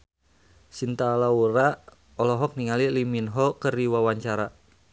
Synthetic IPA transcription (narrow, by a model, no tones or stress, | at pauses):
sint̪alauɾa | ɔlɔɦɔk̚niŋaliliminɦɔkərdiwawaɲt͡ʃaɾa